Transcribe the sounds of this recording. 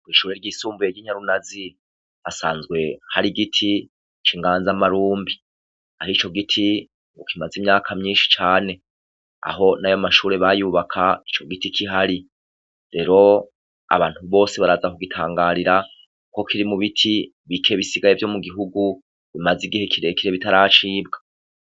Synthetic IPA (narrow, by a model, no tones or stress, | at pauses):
wiːʃuːɾe̞ɾɟiːsuːmbujeɾɟiːɲ̥aɾunazi | βasa̰ːnzɡwe̞haɾiɡitʰi | t͡ʃiŋɡaːnzamaɾuːmbi | ahit͡ʃo̞ɡitʰi | ŋɡokimazimɲaːkʰamɲiːnʃi̥t͡ʃaːne̞ | a̰ɦo̞najomaʃuːɾe̞βajuβakʰait͡ʃo̞ɡitikʰiɦaɾi | ɾe̞ɾo̞ | a̰βaːn̥huβo̞ːse̞βaɾazakuɡitʰaːŋɡaɾiɾa | ko̞kʰiɾimuβitʰi | βikʰe̞βisiɡajevjo̞muɡiɦuɡu | βimaziɡihe̞kʰiɾe̞kiɾe̞βitaɾat͡ʃiːb̚ɡḁ